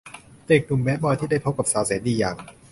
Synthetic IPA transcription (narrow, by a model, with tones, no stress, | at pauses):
t̪eː˨˩k̚nu˨˩mbɛː˦˥t̪̚bɔː˧jt̪ʰi˥˩da˥˩jpʰo˦˥p̚ka˨˩p̚saː˨˩˦wseː˩˦ndiː˧jaː˨˩ŋ